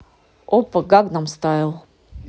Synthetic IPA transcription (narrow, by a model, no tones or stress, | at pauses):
opːəɡaknamst̪ajʲɪlˠ